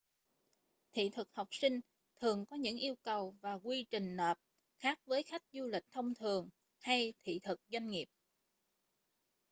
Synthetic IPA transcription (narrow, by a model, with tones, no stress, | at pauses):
t̪ʰḭ˧˨t̪ʰɨ˨˩k̚ha˨˩wk͡p̚si˧ŋ̟ | t̪ʰɨ˨˩əŋkɔ˨˦ɲɨ̰˧˥ŋʔi˧əwkə˨˩wvaː˨˩kwi˧t͡ɕï˨˩ŋ̟nəː˨˩p̚ | xaː˦˥k̚vəː˨˦jxa˦˥jk̟̚zu˧lï˨˩k̟̚t̪ʰə˧wŋ͡mt̪ʰɨ˨˩əŋ | ha˧jt̪ʰḭ˧˨t̪ʰɨ˨˩k̚zwa˧jŋŋi˨˩əp̚